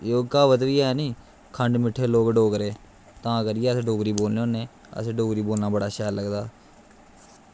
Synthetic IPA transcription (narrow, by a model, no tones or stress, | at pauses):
joːkaːʋət̪ʋiːɦɛːniː | kʰəɳɖmɪʈʰːeːloːkɖoːkɾeː | t̪ãːkəɾɪjeːəsɖoːɡɾiːboːlneõːnẽː | ə̰seɖoːɡɾiːboːlnaːbəɽaːʃɛːləɡd̪aː